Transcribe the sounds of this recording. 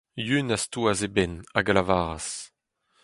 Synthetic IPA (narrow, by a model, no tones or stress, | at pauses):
jynastuazebɛnaɡalavaːʁa̰s